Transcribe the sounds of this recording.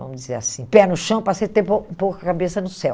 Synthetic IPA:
vɐ̃mʊd͡ʒizḛɾasĩpɛnʊʃɐ̃w̃pɾɐset̪epopowkɐkabesɐnʊsɛw

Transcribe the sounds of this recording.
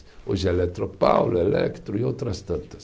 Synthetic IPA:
oʒɛlɛt̪ɾopa̰wlelɛ̰kt̪ɾʊiowt̪ɾɐst̪ɐ̃nt̪ɐ̥s

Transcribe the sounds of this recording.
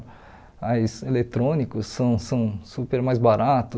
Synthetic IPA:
ajselet̪ɾõnikʊsːɐ̃w̃sɐ̃w̃supeɾmajzbaɾat̪ʊ

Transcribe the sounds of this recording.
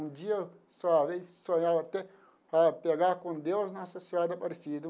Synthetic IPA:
nd͡ʒiɐ | saʋesoɲawɐt̪ɛ | papeɡakõnd̪ewsnasɐsiad̪ɐpɐɾesid̪u

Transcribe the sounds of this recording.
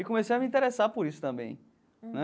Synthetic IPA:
ikõmesejɐmĩt̪eɾesapoɾisʊ̥t̪ɐ̃mbḛ̃j̃ | nɛ

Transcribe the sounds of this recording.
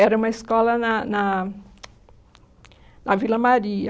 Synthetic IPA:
ɛɾɐũmɐiskɔlɐnɐnɐ | nʔɐvilɐmaɾiɐ

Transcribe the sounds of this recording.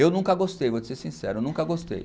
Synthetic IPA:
ewnũŋkɐɡost̪ejvod͡ʒɪseɾsĩsɛ̰ɾewnũŋkɐɡost̪ḛj

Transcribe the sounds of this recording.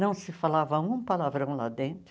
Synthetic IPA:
nɐ̃w̃sɪfalavɐũpalavɾɐ̃w̃la̰d̪ẽnt̪ɾ

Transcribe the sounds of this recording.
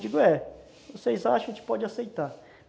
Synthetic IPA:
d͡ʒiɡʊɛ | vosejzaʃɐ̃w̃kɪ̥pɔd͡ʒɪasejt̪aɾ

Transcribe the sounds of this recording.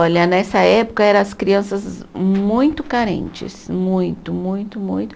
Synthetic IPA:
oʎɐnɛsɐɛpʊ̥kɐɛɾɐ̃ɐskɾiɐ̃sɐzmũj̃t̪ʊkaɾḛ̃nt͡ʃɪ̰smũj̃t̪ʊmũj̃t̪ʊmũj̃t̪ʊ̥

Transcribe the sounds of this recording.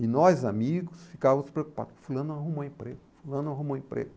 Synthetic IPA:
ɪnɔzamiɡʊsfi̥kavɐmʊspɾeoku̥pa̰d̪ʊfulɐ̃nd̪ʊaɦũmɐẽpɾeɡfulɐ̃nd̪ʊãɦũmɐ̃ĩpɾḛɡ

